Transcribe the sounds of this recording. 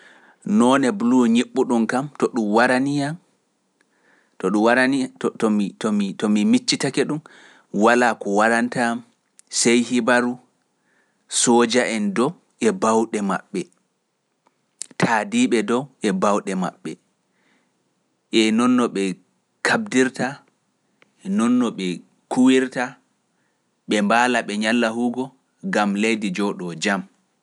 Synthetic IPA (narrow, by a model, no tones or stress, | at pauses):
nɔːnɛbluɲiɓːuɗumkamtɔɗumwaɾanijam | tɔɗumwaɾanitɔmitɔmitɔmimit͡ʃːitakɛɗum | walakɔwaɾantam | sejhibaɾu | sɔːd͡ʒaʔɛndɔw | ʔɛbawɗɛma̰ɓːɛ | tʰaːdiːɓɛdɔwʔɛbawɗɛma̰ɓːɛ | ʔɛnɔnːɔɓɛ | kʰab̚diɾta | nɔnːɔɓɛ | kʰuwiɾta | ɓɛmbaːlaɓɛɲalːahuɡɔ | ɡamlejdid͡ʒɔɗɔd͡ʒam